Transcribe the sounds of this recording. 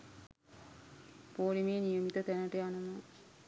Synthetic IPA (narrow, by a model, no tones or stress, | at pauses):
poːɾimejːnijəmit̪ət̪ænəʈəjanəma